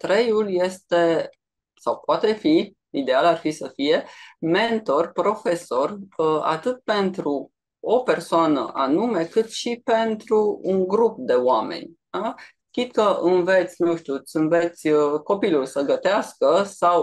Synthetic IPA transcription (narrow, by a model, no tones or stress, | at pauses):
t̪ɾe̞julje̞st̪e̞ | sawpoat̪e̞fi | id̪e̞alarfisəfije̞me̞nt̪o̞rpɾo̞fe̞so̞ra̰t̪ɨt̪̚pe̞nt̪ɾu | ope̞rsoanə̰ʔanume̞kɨt̪ʃipe̞nt̪ɾuːŋɡɾup̚d̪e̞oame̞̰nʲ | a | kʲit̪kəʔɨnve̞t̪sʲnuʃt̪iut̪sʲɨnve̞t̪sʲko̞pilulsəɡət̪easkəsaw